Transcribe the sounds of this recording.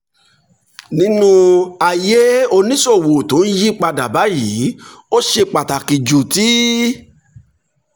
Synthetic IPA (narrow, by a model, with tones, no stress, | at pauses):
nĩ˦nũ˧a˨je˦o˧nĩ˦so˦˨wo˨to˨˦n̩˦ji˦k͡pa˧da˨ba˨˦jiː˨˦o˦ʃe˧k͡pa˨ta˨ki˨d͡ʒu˨ti˦